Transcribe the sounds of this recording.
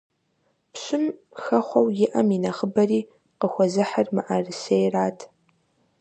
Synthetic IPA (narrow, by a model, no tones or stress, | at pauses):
pɕʷʊm | xɐχʷɔwjɪʔɐminɐχəbɐriː | qəxʷɔzɨħarmɨʔarɨsejraːtʰ